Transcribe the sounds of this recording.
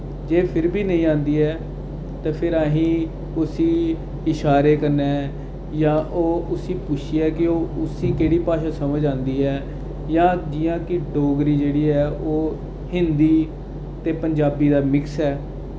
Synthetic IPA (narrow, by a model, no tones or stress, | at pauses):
d͡ʒeːpʰɪɾbʱiːnəĩːãːnd̪iːɛː | t̪ẽːpʰɪɾaːɦĩː | ʊsĩː | ɪʃaːɾeːkəɾnɛː | jãːʔoːʊsiːpʊt͡ʃʰiɛːkɪoːʊsiːkeːɽiːpaːʃãːsəməd͡ʒãːnd̪iːɛː | jãːd͡ʒɪjãːkɪɖoːɡɾiːd͡ʒeːɽiːɛːoː | hɪnd̪iː | t̪eːpəɲd͡ʒaːbiːd̪aːmɪksɛː